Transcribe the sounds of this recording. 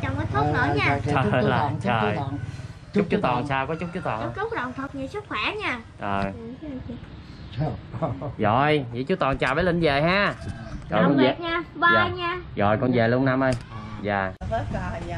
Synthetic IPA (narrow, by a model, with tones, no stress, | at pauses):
t͡ɕa˨˩nə˨˦t̪ʰʊ˦˥nə˨˦˧ɲaː˧˨lə˨˩ə˨˩˧j | t͡ɕʊ˦˥k͡p̚t͡ɕu˨˦˥t̪ɔ˨˩nsaː˧wkɔ˨˦t͡ɕʊ˦˥k͡p̚t͡ɕu˦˥t̪ɔ˨˩n˨˧˦kə˦˥k͡p̚ɗə̰˨wŋ͡mt̪ʰə˨˩t̚ɲi˧˩sɨ˦˥k̚xʰwɛ˧˩ɲaː˧˩ʔəː˨˩j | ɣɔ̰˧˨˩jvḭ˧˨˦t͡ɕu˨˦˥t̪ɔ˨˩nt͡ɕaː˨˩ɓeː˧˦lï˧˩nve˨˩jɦaː˧kɔ˨˩˨ḭ˨ɲaː˧ɓa˩˧jɲaː˧˩ɣɔ̰˨˩jkɔ˧nze˨˩ləna˧mʔə˧jzaː˨˩˦